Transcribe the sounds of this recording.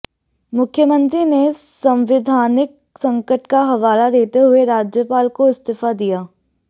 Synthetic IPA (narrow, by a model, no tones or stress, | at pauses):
mʊkʰjəmə̃nt̪ɾinesə̃mʋɪd̪ʱaːnɪk̚sə̃ŋkəʈkaɦɐʋaːlad̪eːt̪eɦʊeɾaːd͡ʒjəpaːlkoɪst̪ɪfʰad̪ijaː